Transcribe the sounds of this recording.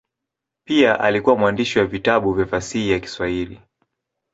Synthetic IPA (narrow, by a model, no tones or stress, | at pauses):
piaʔalikuwamwandiʃiwavitaɓuvjafasihijaki̥swahili